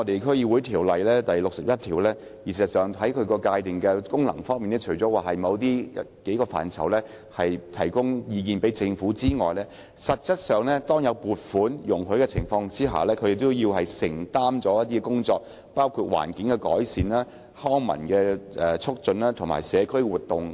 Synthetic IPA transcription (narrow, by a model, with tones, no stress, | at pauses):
ŋɔ˨˧t̪e˨jkʰɵ˥ɥjiː˧wu˨˥jt̪ʰiː˨˩wlɐ˨jlɛː˥t̪ɐ˨jlʊ˨k̚sɐ˨p̚jɐ˥t̪ʰiː˨˩wlɛː˥ | ji˨˩si˨st̚sœː˨˩ŋhɐ˨˥jkʰɵ˨˧kɔː˧kaː˧jt̪ɪ˨ŋkɛː˧kʊ˥ŋlɐ̰˨˩ŋfɔː˥ŋmiː˨nɛ˥t͡ʃʰɵ˨˩t͡sɔː˨˥waː˨˩hɐ˨jmɐ˨˧wt̪̬iː˥ɐ˥ke˨˥jkɔː˧fa̰ː˨˩nt͡sʰɐ̰˨˩wlɛː˥ | hɐ˨jt̪ʰɐ˨˩jkʊ˥ŋjiː˧k̬iː˨˧npe˨˥jt͡sɪ˧ŋfuː˨˥t͡siː˥ŋɔː˨jlɛː˥ | sɐ˨t̚t͡sɐ˥t̚sœː˨ŋlɛː˥t̪ɔː˥ŋjɐ˨˧wpuː˨˩t̚fuː˨˥njʊ˨˩ŋɦɵ˨˥kɛ˧t͡sʰɪ̰˨˩ŋfɔː˧ŋt͡siː˥ɦa̰ː˨˩lɛː˥kʰɵ˨˧˥je˨˩t̪oʊ˥wjiː˧wɦɐ˨jsɪ̰˨˩ŋt̪aː˥mt͡sɔː˨˥jɐ˥t̪̬̚i˥kɛ˧kʊ˥ŋt͡sɔː˧k̚ | paː˥wkʰuː˧t̚wa̰ː˨˩nkɪ˨˥ŋkɛ˧kɔ̰ː˨˥jsiː˨nlaː˥ | hɔː˥ŋmɐ̰˨˩nkɛː˧ʔɛ˨˩t͡ʃʰʊ˥k̚t͡sɵ˧naː˥t̪ʰʊ˨ŋma̰ː˨˩jsɛː˨˧kʰɵ˥ɥwuː˨˩t̪ːʊ˨ŋ